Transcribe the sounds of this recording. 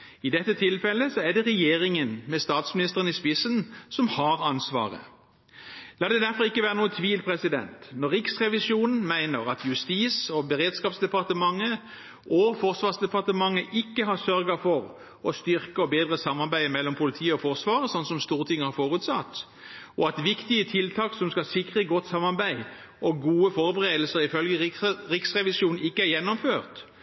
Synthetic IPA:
ɪd̪ɛt̪ːət̪ʰɪlfɛlːəsɔæd̪ɛʁɛjeːʁɪŋənmɛst̪ɑːt̪smɪnɪst̪əʁənɪspɪsənsɔmhɑʁɑnsʋɑ̰ːʁə̰ | lɑːd̪ɛd̪æɾfɔʁɪkːəʋæːʁənuːət̪ʰʋiːlpʰʁɛsɪd̪ɛ̰nt̪nɔʁːɪksʁɛʋɪsuːnn̩mæɪnəʁɑt̪ʰjʉst̪iːsɔbəʁeːd̪skɑːpsd̪ɛpɑʁt̪əmɑŋːə | ʔɔfɔʁsʋɑːʁsd̪ɛpɑʁt̪əmɑŋːəʔɪkːəɦɑsœʁɡɑfɔʁ | ɔst̪ʏʁkəɔbeːd̪ʁəsɑmːɑbæɪmɛlːɔmpʰʊlɪt̪ʰiːəɔfɔʁsʋɑːʁəsɔnsɔmst̪uːʁt̪ʰɪŋːəhɑɾfoːʁʉːt̪sɑt̪ː | ɔɑt̪ʋɪkt̪ɪət̪ʰɪlt̪ʰɑːksɔmskɑsɪkʁəɡɔt̪ːsɑmɑʁbæɪ | ʔɔɡuːəfɔɾbəʁeːd̪lsəʁɪfœlɡəʁɪksʁɛʋɪsjuːnn̩ɪkːəæɾjɛnːɔmføːʁt̪

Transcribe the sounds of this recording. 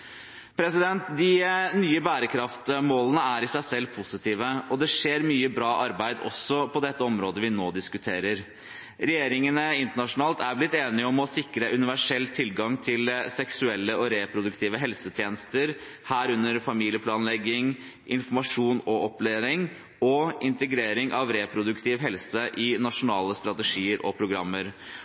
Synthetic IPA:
pʰɾɛsɪd̪ɛnt̪d̪ɪnyːəbæːɾəkʰɾɑft̪moːlənəæɾɪsæɪsɛlːpʰʊsɪt̪ʰiːʋəɔd̪ɛʂeːɾmyːəbɾɑːʔɑɾbæɪd̪ɔ̰sːɔpʰɔd̪ɛt̪ːəɔmɾoːd̪əʋɪnoːd̪ɪskʉt̪ʰeːɾəɾ | ɾɛjeːɾɪŋənəɪnt̪əɳɑʂʊnɑːlt̪æɾblɪt̪ːeːnɪəɔmɔsɪkɾəʔʉnɪʋæʂɛlːt̪ʰɪlɡɑŋt̪ʰɪlsɛksʉɛlːəɔɾeːpʰɾʊd̪ʉkt̪ʰiːʋəɦɛlsət̪ʰjeːnəst̪əɾ | hæːɾʉnːəɾfɑmiːlɪəpʰlɑːnlɛɡːɪŋ | ʔɪnfɔɾmɑʂuːnɔʔɔpleːɾɪŋ | ɔɪnt̪əɡɾeːɾɪŋʔɑʋɾeːpʰɾʊd̪ʉkt̪ʰɪːʋɦɛlsəʔɪnɑʂʊnɑːləst̪ɾɑt̪əʂiːəɾʔɔ̰pʰɾʊɡɾɑmːəɾ

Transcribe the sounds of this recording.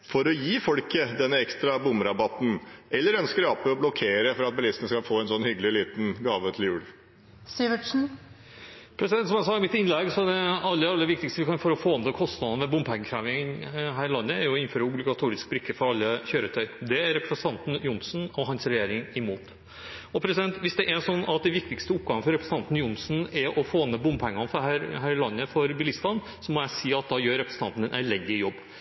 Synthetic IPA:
fɔɾɔjiːfɔlkəd̪ɛnːəɛkst̪ɾɑbʊmɾɑbɑt̪n̩ɛlːəɾœnskəɾɑpːəɔblɔkʰeːɾəfɔɾɑt̪̚bɛlɪsənəskɑlfoːɛnsɔnːhʏɡəlɪliːt̪nɡɑːʋət̪ʰɪljʉːɽ | sɪʋəʈʂn̩ | pʰɾɛsɪd̪ɛnt̪sɔmæsɑːɪmɪt̪ːɪnlɛɡsɔd̪ɛɑlːəɾɑlːəʋɪk̚t̪ɪkst̪əʋɪkɑnfɔɾɔfoːɑnt̪ɔkʰɔst̪nɑd̪ɑəmɛbʊmphæŋːəkʰɾæːʋɪŋɦæːɾɪlɑnːəæɾjʊɔɪnføːɾəʊblɪɡɑt̪ʰuːɾɪsk̚bɾɪkːəfɔɾɑlːəçøːɾət̪ʰœʏɔd̪ɛæɾɾɛpɾəsənʰɑnt̪n̩jʊnsn̩ɔɦɑnsɾɛjeːɾɪŋɪmuːt̪ | ɔpʰɾɛsɪd̪ɛnt̪ʋɪsd̪ɛʔæʂɔnːɑt̪̚d̪ɛʋɪk̚t̪ɪkst̪əʊp̚ɡɑŋəfɔɾɛpɾɛsəɑnt̪n̩jʊnsn̩ɛɾʔɔfoːnəbʊmːpʰɛŋːɑnəfɔɾhæɾɦæɾɪlɑnːəfɔɾbɪlɪst̪ɑn | sɔmɔjæɪsiːɑt̪̚d̪ɑːjøːɾːɛpɾəsəɑ̰nt̪n̩ɛnʔæ̰ɪlɛnd̪ɪjɔbː

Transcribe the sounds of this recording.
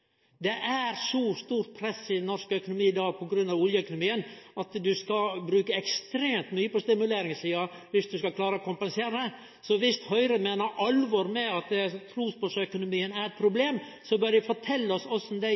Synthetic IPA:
d̪ɛʔæɾsɔst̪uːɾt̪̚pʰɾɛsːɪd̪ɛnːɔɾʂkəœkʊnʊmiːɪd̪ɑːɡ̚pʰɔɡɾʉnːɑʋɔljəœkʊnʊmiːənɑt̪d̪ʉskɑbɾʉːkəɛkst̪ɾeːmt̪myːəpɔst̪ɪmʉleːɾɪŋsiːɑʋɪsd̪ʉskɑkʰlɑːɾəɔkʰʊmpɛnseːɾəə | sɔʋɪst̪hœʏɾəmeːnəɾʔɑlʋɔɾmɛɑt̪̚d̪ɛt̪ʰɾuːspɔʂœkʊnʊmiːənæɾɛt̪̚pʰɾʊbleːm | sɔbœɾʋɪfɔʈʰɛlːəɔsɔsːɔmd̪æ

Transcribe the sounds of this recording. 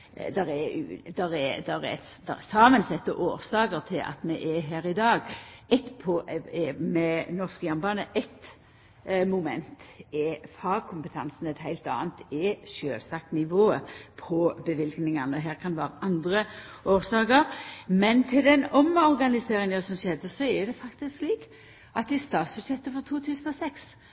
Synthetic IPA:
d̪ɛɾɛʉ̰ːd̪ɛɾɛd̪ɛɾɛ̰ɛt̪d̪̥ɛ̰ʁsɑːmənsɛt̪ːəʔoːɾsɑːkəɾt̪ʰɪlʔɑ̰t̪mɛʔɛɦæːɾɪd̪ɑːɡɛt̪pʰɔɛmɛnɔʁskəjɑmbɑːnəʔɛt̪ | mʊmɛnt̪ɛfɑːkʰʊmpət̪ʰɑnsn̩ɛt̪ɦæɪlt̪ɑ̰ːnt̪ʰɛʃøːlsɑk̚nɪʋoːəpʰɔbəʋɪlɡnɪŋɑnəɦæːʁkʰɑnʋæːɾəʔɑnd̪ʁə | oːʁsɑːkəʁmɛnt̪ʰɪld̪ɛnɔmɔʁɡɑnɪseːʁɪŋəsɔmsɛd̪əsɔɛd̪ɛfɑkt̪ɪsksliːk | ɑt̪ɪst̪ɑːt̪sbʉlʃjɛt̪ːəfɔʁt̪ʰuːt̪ʰʉːsən̩ɔsɛks

